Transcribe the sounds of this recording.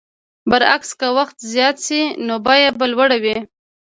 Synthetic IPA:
bəɾa̰kskawaxt̪zjɑt̪sinobɑjabalwaɽawi

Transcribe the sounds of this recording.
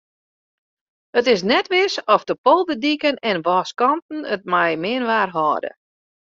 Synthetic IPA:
ətɪs̬nɛtʋɪsɔfdəpɔlˠbədikənɛnʋɔːskɔntn̩ət̚majmɪənʋaːrɦɔːdə̰

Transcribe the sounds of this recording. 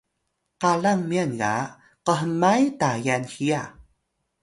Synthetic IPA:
qaɮaŋmianɡa̰ | qəɦəmajtajanxija

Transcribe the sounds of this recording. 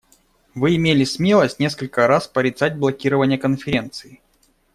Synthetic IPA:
vɨɪmʲelʲɪsmʲe̞lˠəsʲtʲnʲe̞skəlʲkəɾaspəɾʲɪt̪sadʲblˠɐkʲiɾəvənʲɪjəkənfʲɪɾʲe̞nt̪sɨɪ

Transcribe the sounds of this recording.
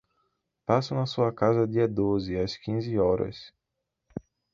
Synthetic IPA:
pasʊnɐsuɐkazɐd̪iɐd̪ozɪɐskĩzɪɔɾɐ̰s

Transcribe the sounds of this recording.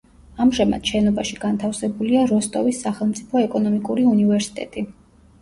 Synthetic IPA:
amʒɛma̰d̪̥ʃɛnɔbaʃiɡant̪ʰafsɛbuliaɾɔst̪ʼɔvisːaχɛlˠmt̪sʼipʰɔɛkʼɔnɔmikʼuɾiunivɛɾsi̥t̪ʼɛ̰t̪ʼi

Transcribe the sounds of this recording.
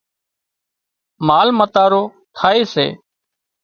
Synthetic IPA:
maːlmət̪aːɾoː | t̪ʰaːeːsḛː

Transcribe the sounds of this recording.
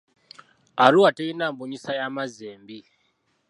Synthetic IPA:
ɦaɾuwateinambuɲisajamazeːmbi

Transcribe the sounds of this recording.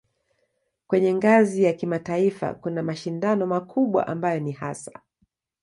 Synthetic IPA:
kwɛɲɛŋɡazijakimataifa̰kunamaʃindanɔmakʰuɓwa̰ʔambajɔnihasḁ

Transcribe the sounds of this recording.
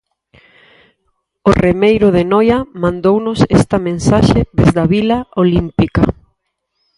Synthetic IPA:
oremejɾʊðenɔjɐmãnd̪ownʊsɛst̪ɐmẽnsaʃeðezðɐβilɐolimpikɐ

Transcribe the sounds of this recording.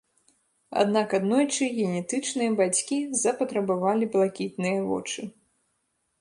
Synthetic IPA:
a̰d̪nakad̪nɔjt͡ʂɨɣʲɛnʲɛt̪ɨt͡ʂnɨjɐbat͡sʲkʲizɐpɐt̪ɾɐbavalʲiblˠakʲit̪nɨjɐvɔ̰t͡ʂɨ

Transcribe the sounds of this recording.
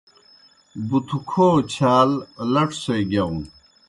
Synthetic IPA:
but̪ʰukʰoːt͡ɕʰaːllɐʈʰsojɡaun

